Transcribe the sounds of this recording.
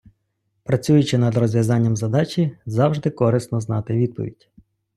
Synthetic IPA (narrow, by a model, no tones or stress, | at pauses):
pɾɐt͡sʲujʊt͡ʃɪnɐd̪rɔzʋjɐzɑnʲːɐmzɐd̪ɑt͡ʃʲizɑwʒd̪ɪkɔɾɪst̪nɔznɑt̪ɪʋʲid̪̚pɔ̰ʋʲḭdʲ